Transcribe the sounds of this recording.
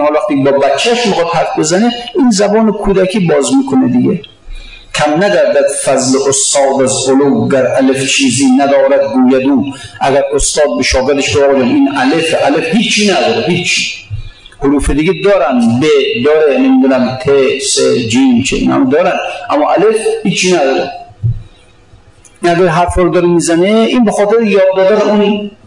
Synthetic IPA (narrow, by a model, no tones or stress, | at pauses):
ɒɔlæxt̪iːkbɒːbæt͡ʃʰːæʃmixɑd̪hæɾfbe̞zæneiːnzæbɒːnekʰuːd̪ækʰiːbɒːzmiːkʰoned̪iɡḛ | kʰæmnæɡæɾd̪æd̪fæzleʔost̪ɒːd̪æzolowɡæɾʔæleft͡ʃʰiːziːnæd̪ɒːɾæd̪ɡuːjæd̪uːʔæɡæɾost̪ɒːd̪̚beʃɒːɡeɾd̪eʃbebɒːbd͡ʒænʔiːnʔælefeʔælefhiːt͡ʃʰːiːnæd̪ɒːɾeɦiːt͡ʃʰːi | hoɾuːfed̪iɡed̪ɒːɾænbed̪ɒːɾenemiːd̪uːnæmt̪ʰesed͡ʒiːmt͡ʃʰḛḭnæ̰md̪ɒːɾænd̪ʔæmːɒːʔælefhiːt͡ʃʰːiːnæd̪ɒːɾe | inæɡæɾɦæɾfɔːɾd̪ɒɾemiːzæneinbexɒːt̪ʰeɾejɒːd̪ːɒːd̪æneuːn